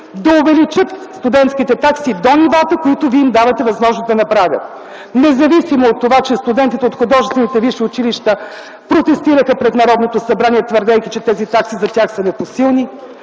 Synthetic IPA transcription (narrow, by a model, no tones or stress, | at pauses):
d̪ɐʊvɛlit͡ʃɤt̪st̪ud̪ɛnt̪skit̪ɛt̪aksid̪onivat̪əkoit̪ʊviimd̪avɐt̪ɛvɐzmɔʒnozd̪ɐnɐpɾavʲə̰t̪̚ | nɛzɐvisimoːt̪ːovat͡ʃɛst̪ud̪ɛnt̪it̪ɛot̪xʊd̪ɔʒɛst̪vɛnit̪ɛviʃiʊt͡ʃiliʃt̪ə | pɾot̪ɛst̪iɾəxəpɾɛt̪nɐɾɔd̪not̪osɐbɾaniɛt̪vəɾd̪ɛjkit͡ʃɛt̪ɛzit̪aksizɐt̪ʲaxsənɛposilˠni